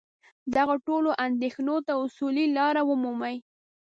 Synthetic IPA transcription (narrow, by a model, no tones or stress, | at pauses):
d̪aɣoʈoloʔand̪exnot̪aʊsulilɑɾawʊmumaj